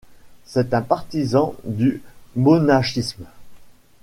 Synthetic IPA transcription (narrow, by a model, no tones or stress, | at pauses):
sɛt̪ɛ̃paʁt̪izɑ̃d̪ymonaʃism